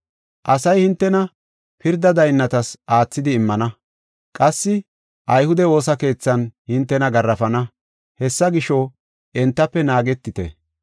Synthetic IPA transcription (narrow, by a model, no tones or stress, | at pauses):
ʔɐsɐjhɪnt̪ːɛnɐ | pɪɾd̪ɐd̪ɐjnːɐt̪ɐsʔaːt͡sːɪd̪ɪːmːɐnɐ | kʼɐsːɪ | ʔɐjhʊd̪ɛo̞ːsɐke̞ːt͡sːɐnhɪnt̪ːɛnɐɡɐrːɐfɐnɐ | hɛsːɐɡɪʃo | ʔɛnt̪ːɐpːɛnaːɡɛt̪ːɪt̪ɛ̰